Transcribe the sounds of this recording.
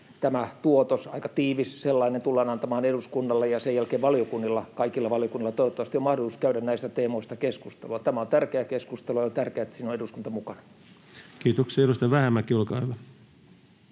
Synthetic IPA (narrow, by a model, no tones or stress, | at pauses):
t̪æmæt̪uot̪osɑ̰ikɑt̪iːʋisselːɑinent̪ulːɑːnɑnt̪ɑmɑːneɾuskunːɑlːejɑsejælkeːʋʋɑliokunːilːɑkɑikilːɑʋɑlijokunːilːɑt̪oiʋot̪ːɑʋɑst̪iomɑhdolisuskæyɾænnæist̪æt̪eːmoist̪ɑkeskust̪ḛluɑt̪æmæont̪ærkeækeskust̪elujɑjot̪ærkeæt̪siːnoeɾuskunt̪ɑmukɑnɑ̥ | kiːt̪okseeɾust̪ɑʋæhæmːækiolkɑˑiʋɑ